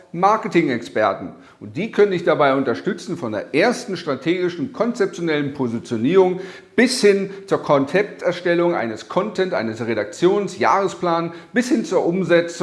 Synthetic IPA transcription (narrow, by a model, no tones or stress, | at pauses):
maɐkətɪŋɛkspɛɐtn̩ | ʔʊnt̚d̥iːkʰœnənɪçd̥abaɪʊntɐʃtʏt͡sn̩fɔndeːɐʔeːɐstn̩ʃtʁ̥atʰeːɡɪʃn̩kʰɔnt͡sɛp̚t͡sjonɛlənpʰozit͡sjoniːʁʊŋ | b̥ɪshɪnt͡suːɐkʰɔnt͡sɛp̚tɛɐʃtɛlʊŋʔa̰ɪnəskʰɔntʰɛntʔa̰ɪnəsʁeɾak̚t͡sjoːnsja̰ːʁəspl̥aːnb̥ɪshɪnt͡suːɐʔʊmzɛt͡s